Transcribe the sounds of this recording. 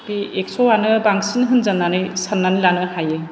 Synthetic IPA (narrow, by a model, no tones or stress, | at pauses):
bieksɔwanɯbaŋsinɦɯnzanːanɯjsanːanɯlanɯhajɯ